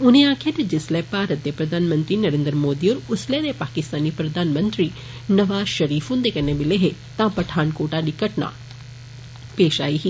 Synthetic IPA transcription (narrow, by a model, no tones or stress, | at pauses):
ʊnẽãːkʰjẽt̪ɐd͡ʒɪslɛpaːɾət̪ːepɾɐd̪ʱaːnmə̃nt̪ɾinɐɾẽːnd̪ɾmoːd̪ioːɾʊslɛd̪epaːkɪst̪aːnipɾɐd̪ʱaːnmə̃nt̪ɾi | nɐʋaːzʃɐɾiːfɦũnd̪ekɐnebɪleɦet̪ãːpɐʈʰaːnkoːʈaɗikːəʈna̰ː | peːʃaːiɦi